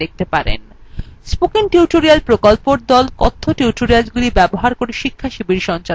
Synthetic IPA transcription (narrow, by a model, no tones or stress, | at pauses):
ek̚t̪epaɾḛn | spokiŋʈuʈoɾialpɾokolpoɾd̪ɔlkɔt̪ʰːoʈjuʈoɾialɡulibɛboɦaɾkoɾeʃikʰːaʃibiɾʃɔnt͡ɕa